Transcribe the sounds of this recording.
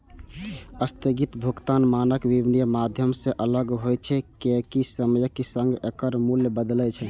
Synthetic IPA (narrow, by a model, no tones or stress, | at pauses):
əst̪əɡit̪bʱukt̪anmanəkʋibnijəmad̪ʱjəmsẽʔələɡɦojt͡ʃʰɛkekisəməjəkːisə̃ŋɡekəɾmuljəbəd̪lɛt͡ʃʰɛ